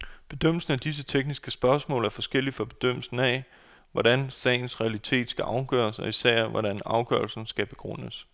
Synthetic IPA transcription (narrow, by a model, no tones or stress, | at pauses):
b̥e̝d̥øm̰l̩sn̩æd̥is̬ət͡sʰeɡ̥nisɡ̥əsb̥ɶɐsmɔ̰̽ːlæɐfɒ̽sɡ̥el̰ifɒ̽b̥e̝d̥øm̰l̩sn̩æ | ʋɒɾ̥ænsɛ̰ːɪn̩sʁɛælit͡sʰe̝̰ːd̥sɡ̥æʔɑ̈ʊɡ̥œ̰ːɐsɒ̽isæɐ̰ʋɒ̰ɾænɑ̈ʊɡ̥ɶɐlsn̩sɡ̥æb̥e̝ɡ̥ʁɔ̽n̰əs